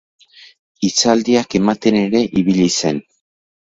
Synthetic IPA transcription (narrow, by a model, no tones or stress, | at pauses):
it͡sald̪iake̞mat̪e̞ne̞ɾe̞ʔiβiʎise̞n